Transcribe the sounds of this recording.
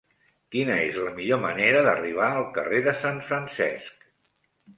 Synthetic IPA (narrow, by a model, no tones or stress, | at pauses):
kinəezləmiʎoməneɾəðəriβ̞aəlˠkəreðəsaɱfɾənsɛ̰sk